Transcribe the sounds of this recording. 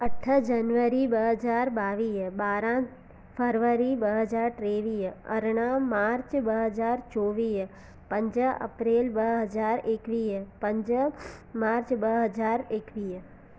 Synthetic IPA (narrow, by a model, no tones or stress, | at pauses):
əʈʰəd͡ʒɐnʋəɾibəɦəd͡ʒaːɾbaːʋiːɦbaːɾã | pʰəɾʋəɾibəɦəd͡ʒaːɾʈɾeːʋiːɐ̰ɾɽ̃ãmaːɾt͡ʃbəɦəd͡ʒaːɾt͡ʃoːʋiːɦ | pɐ̃ɲd͡ʒəɐ̰pɾeːlbəɦɐd͡ʒaːɾeːkʋiːpɐ̃ɲd͡ʒəmaːɾt͡ʃbəɦɐd͡ʒaːɾeːkʋiː